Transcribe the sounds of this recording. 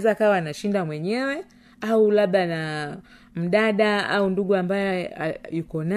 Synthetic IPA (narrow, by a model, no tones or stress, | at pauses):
zaːkawaːnaʃindamwɛɲɛwɛ | aulaɓana | m̩ɗaɗaaunduɠuambajɔjukɔna